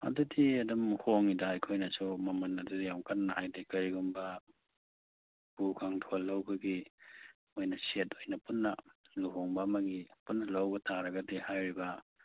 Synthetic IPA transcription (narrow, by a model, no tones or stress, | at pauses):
a̰dutʰiɐdumhoŋidaajkʰojnɐsumɐmɐnːɐdiɾjawŋkannaajdekɐɾɡumbɐ | pukʰaŋtʰolːɐwbɐɡi | ojnɐsetojnɐpunːɐluɦɔŋbɐɐmɐɡipunːɐlawbɐtʰaɾɐɡɐdihajɾibɐ